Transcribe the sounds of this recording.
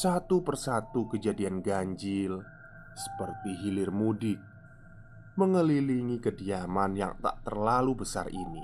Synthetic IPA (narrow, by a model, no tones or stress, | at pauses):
sat̪upərsat̪ukəd͡ʒadianɡaɲd͡ʒɪl | sə̥pərt̪iɦilɪrmudɪt̚ | məŋəliliŋikədiamanja̰ŋt̪a̰ʔt̪ərlalubəsa̰rḭnḭ